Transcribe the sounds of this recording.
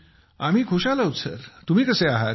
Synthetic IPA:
am̤iːkʰuɕalaɦut̪sə̰ɾt̪um̤iːkəseaɦa

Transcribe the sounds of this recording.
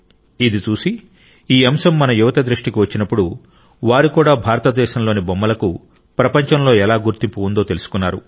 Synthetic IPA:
id̪it͡ʃuːsi | iːɐmʃɐmːɐnɐjuʋɐt̪ɐd̪ɾuʂʈikiʋɐt͡ʃːinɐpːuɽu | ʋaːɾikuːɽaːbʱaːɾɐt̪ɐd̪ɛːʃɐmlo̞ːnibomːɐlɐku | pɾɐpɐɲt͡ʃɐmlo̞ːɛlaːɡuɾt̪impuund̪o̞ːt̪e̞lusu̥kunːaːɾu

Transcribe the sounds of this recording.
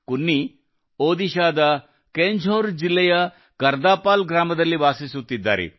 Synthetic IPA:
kunːi | oːd̪iʃaːd̪ɐ | keːɲd͡ʒʱoːɾd͡ʒilːɛjɐ | kɐɾd̪aːpaːlɡɾaːmɐd̪ɐlːiʋaːsisut̪ːid̪ːa̰ːɾḛ

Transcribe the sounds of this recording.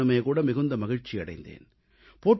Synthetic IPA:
ɐmɐjɐkuːɽɐmɪɣɯnd̪ɐmɐɣɪɻt͡ʃːiɐɽɐ̰ɪnd̪ḛːn | poːʈ

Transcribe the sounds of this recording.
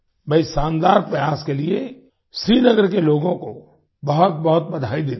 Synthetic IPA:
bɐisãːnd̪aːɾpɾɐjaːskelie | ʃɾiːnəɡəɾkeloːɡõko | bɐɦʊt̪̚bɐɦʊt̪̚bɐd̪ʱaːid̪eː

